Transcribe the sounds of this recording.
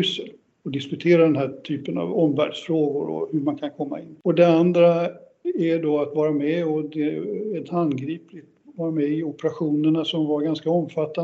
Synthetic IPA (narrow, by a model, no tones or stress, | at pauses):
ʉsəl | ɔd̪ɪskɵt̪ʰeːɾad̪ɛnɦæːʈʰyːpəna̰vɔmvæ̰ːɖʂfɾoːɡʊɾɔ̰hɵɾmankʰankʰɔmːa̰ɪnːɔd̪ɛand̪ɾa | æɖɔat̪vɑːɾamɛɔd̪ɛɛt̪ʰanɡɾiːplɪt̪vɑːɾamɛɪɔpəɾaɧuːnəɳasɔmvaɾɡanskaɔmfat̪ːa